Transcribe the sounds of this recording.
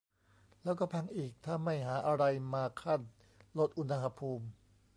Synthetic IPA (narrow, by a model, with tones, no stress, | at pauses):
lɛː˦˥wkɔː˥˩pʰa˧ŋʔiː˨˩k̚t̪ʰaː˥˩ma˥˩jɦaː˩˦ʔa˧ɾa˧jmaː˧kʰa˥˩n | lo˦˥t̪̚ʔu˧na˧ɦa˧pʰuː˧m